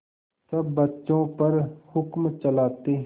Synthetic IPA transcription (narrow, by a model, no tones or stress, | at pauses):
sɐbːətːt͡ʃõːpəɾhʊkmt͡ʃəlaːt̪eː